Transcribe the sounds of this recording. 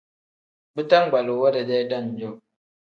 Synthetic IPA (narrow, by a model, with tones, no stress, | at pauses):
bɨ˦ta˦ŋ˦˨ɡ͡ba˨lo˨wa˦da˨d͡ʒa˦jda˦˨n˨d͡ʒo˦˨